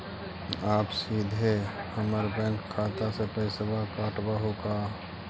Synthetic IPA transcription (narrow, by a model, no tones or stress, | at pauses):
aːpsiːd̪ʱehəməɾbɛ̃ːŋkʰːaːt̪asepeːsəbʱakaːʈbaɦokaː